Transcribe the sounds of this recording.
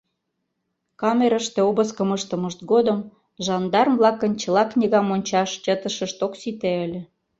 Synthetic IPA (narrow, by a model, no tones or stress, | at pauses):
kɑmeɾəʃt̪ĕobəskəməʃt̪ə̆məʃt̪̚ɡod̪əm | ʒɑnd̪ɑrmvlɑkənt͡ɕə̆lɑknʲiɣɑmonʲt͡ɕɑʃt͡ɕət̪əʃə̆ʃt̪oksit̪eəlʲĕ